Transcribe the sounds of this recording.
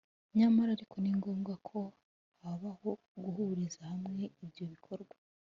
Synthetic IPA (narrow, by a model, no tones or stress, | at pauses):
ɲamaɾaɾikʰo̞niŋɡo̞ːmɡakʰo̞ | haβaho̞ | ɡuhuɾizahamŋe̞ibjo̞βikʰo̞ɾɡwa